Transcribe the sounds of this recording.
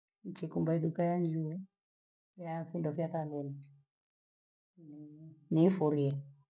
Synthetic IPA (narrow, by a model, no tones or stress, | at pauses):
n̩t͡ʃikumbaiɗukajaɲd͡ʒuɛ | jafindɔfjaθanɛni | ninifɔɾiɛ